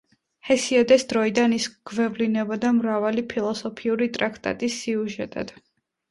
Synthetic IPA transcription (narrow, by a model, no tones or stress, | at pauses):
hɛsiɔd̪ɛsd̪ɾɔid̪anisɡ̥vɛvlinɛbɔd̪amɾavalipʰilˠɔsɔpʰiuɾit̪ʼɾakʰt̪ʼa̰t̪ʼisːiuʒɛt̪ʼa̰d̪̥